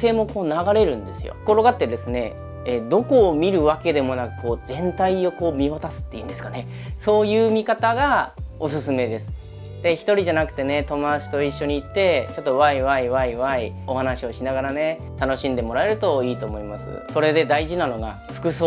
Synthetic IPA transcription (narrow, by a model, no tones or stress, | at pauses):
se̞ːmo̞ko̞ːnaɡaɾe̞ɾɯ̟̃nd̪e̞sɨjo̰koɾo̞ɡat̪ːeɾɯd̪esɨne̞ | ed̪o̞ko̞ːmʲiɾɯ̟βake̞d̪e̞mo̞nakɯ̟̥ko̞ːzẽ̞nt̪aio̞ko̞ːmʲiβat̪asɨ̥t̪ːe̞iɯ̟nd̪e̞sɨ̥kane̞ | so̞ːjɯ̟ːmʲikat̪aɡao̞sɨsɨme̞d̪e̞sɨ̥ | d̪̥e̞çi̥t̪o̞ɾʲiʑanakɯ̟̥t̪e̞ne̞t̪o̞mod̪at͡ɕi̥t̪o̞iɕːo̞ɲ̟iːt̪ːe̞t͡ɕo̞t̪ːo̞βaiβaiβaiβai | o̞hanaɕio̞ɕinaɡaɾane̞ | t̪ano̞ɕĩnd̪e̞mo̞ɾae̞ɾɯ̟t̪o̞iːt̪o̞ːmo̞imasɨ̰so̞ɾe̞d̪e̞d̪aiʑinano̞ɡa̰ | ɸɯ̥kɯ̟soː